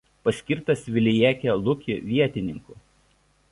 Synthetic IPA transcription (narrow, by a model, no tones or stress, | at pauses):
pɐsʲkʲɪɾt̪ɐsʋʲɪlʲɪjiɛːkʲɛlˠʊkʲɪʋʲiɛt̪ʲɪnʲɪŋkʊˑ